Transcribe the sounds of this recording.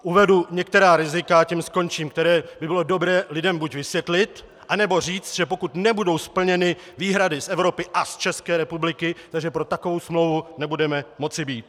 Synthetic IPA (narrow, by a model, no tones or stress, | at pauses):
ʔuvɛduɲɛkt̪ɛɾaːɾɪzɪkacɛmsko̞nt͡ʃiːmkt̪ɛɾɛːbɪbɪlo̞do̞bɾɛːlɪdɛmbucvɪsjɛt̪lɪt̪ | ʔanɛbo̞r̝iːt͡st̪ʒ̥ɛpo̞kut̪nɛbudo̞wspl̩ɲɛnɪ | viːɦɾadɪsɛvɾo̞pɪʔast͡ʃɛskɛːɾɛpublɪkɪt̪aɡʒɛpɾo̞t̪akovo̞wsmlo̞wvunɛbudɛmɛmo̞t͡sɪbiːt̪̚